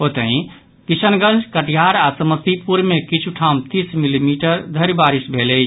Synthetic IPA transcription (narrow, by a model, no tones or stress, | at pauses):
ot̪əɦĩ | kisənɡə̃nd͡ʒkəʈjaɾasəməst̪ipuɾmekit͡ʃʰuʈʰamt̪ismilimiʈəɾd̪ʱəɾibaɾisbʱeləɪt͡ʃʰ